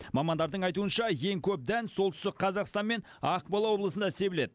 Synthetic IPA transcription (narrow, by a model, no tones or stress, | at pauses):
mɑmɑnd̪ɑɾd̪əɴɑjt̪uənʃɑje̞ŋkʲʰɵp̚d̪ænso̞lˠt̪ʏst̪ɪkqʰɑzɑqst̪ɑnme̞n | ɑqbɑlˠɑwo̞blˠəsənd̪ɑse̞bɪle̞d̪ɪ